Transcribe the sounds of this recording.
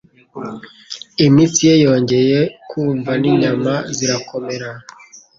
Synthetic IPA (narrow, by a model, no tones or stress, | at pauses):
imisijejo̞ːɲɟe̞je̞kʰuːɱvaniɲamaziɾako̞me̞ɾa